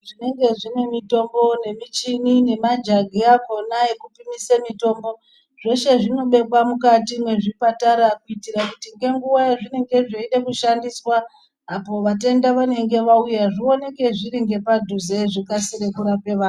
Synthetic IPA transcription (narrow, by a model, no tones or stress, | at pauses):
ʐine̞ŋɡe̞ʐine̞mito̞mbo̞ne̞mit͡ʃinine̞mad͡ʒaɡʱijako̞naekupimisemito̞ːmbo̞ | ʐ̥e̞ʃe̞ʐino̞ɓe̞kwamukatimwe̞ʐipataɾakuitirakutiŋɡe̞ŋɡuʋaeʐine̞ŋɡe̞ʐeiɗekuʃandiswaː | po̞ʋat̬endaʋane̞ŋɡe̞ʋaujaʐio̞ne̞ke̞ʐiɾiŋɡe̞padʱuze̞ʐikasiɾekuɾape̞ʋaːn